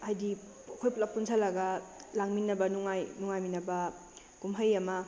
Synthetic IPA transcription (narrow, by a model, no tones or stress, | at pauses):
ajdi | akʰojplak̚punsʰalaɡalaŋminːɐbɐnuŋajnuŋajminɐba | ɡ̥umɦəjamɐ